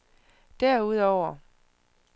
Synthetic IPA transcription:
d̥æɐ̰uð̞ˠɒʊ̰ɐ

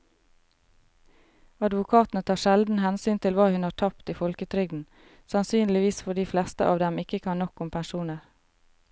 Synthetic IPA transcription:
ɑd̪ʋʊkʰɑːt̪n̩ət̪ʰɑːʃɛld̪n̩hɛnsyːnt̪ʰɪlʋɑːhʉnhɑːʈʰɑpt̪iːfɔlkət̪ʰɾʏɡdn̩ | sɑnsyːnlɪʋiːsfɔɖiːflɛst̪ə̰ʔɑːʋd̪ɛmɪkəkʰɑnnɔkʊmpʰænʃuːnəɾ

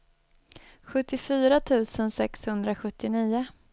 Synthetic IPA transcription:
ɧɵt̪ːɪfyːɾat̪ʰʉ̟ːsənsɛkshɵnd̪ɾaɧɵt̪ʰːɪniːʊ

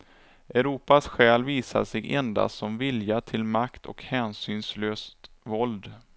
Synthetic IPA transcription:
ʔɛɾuːpasɧɛːlviːsa̰ʂɛɡʔɛ̰nd̪a̰sɔmvɪljat̪ʰɪlmakt̪ʰɔ̰khɛːnsyːnsløːst̪vɔld̪

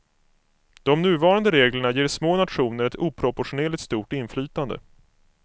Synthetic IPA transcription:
d̪̥ɔmnʉ̟ːvɑːɾand̪əɾeːɡləɳajeːɾʂmoːnat̪ɧuːnəɾɛt̪uːpʰɾɔpʊɧʊneːlɪkt̪st̪uːʈɪnflyːt̪and̪ə̰

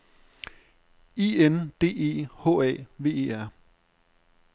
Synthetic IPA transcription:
iːend̥e̝̰ːe̝̰ːhɔ̰̽ːɛ̰ːʋe̝̰ːe̝̰ːæɐ̰

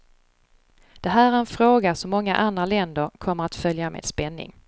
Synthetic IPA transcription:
d̪̥ɛɦæːɾæɾɛnfɾoːɡasɔmːɔŋːa̰ʔand̪ɾalɛnd̪əɾkʰɔmːəɾat̪fœljamḛːd̪spɛnːɪ̰ŋ

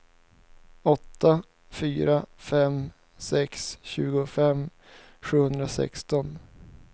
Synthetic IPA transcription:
ɔt̪ʰːa | fyːɾafɛm | sɛksɕʉ̰ːɡʊfɛm | ɧʉ̟ːhɵnd̪ɾasɛ̰kst̪ɔn

